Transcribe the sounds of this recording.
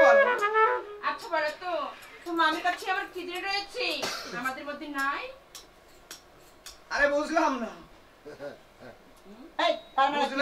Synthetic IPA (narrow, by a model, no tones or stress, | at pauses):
atːɕʰabaɾat̪ot̪omamikat͡ɕʰiamaɾt̪ʰid̪iɾeɾojet͡ɕʰiamad̪eɾbod̪ʱːinːaj | aɾebud͡ʑʱlamna | ejk̪anaɾad͡ʑul